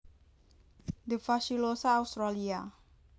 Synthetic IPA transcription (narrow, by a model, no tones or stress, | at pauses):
d̪əfaʃilosaːust̪ɾalia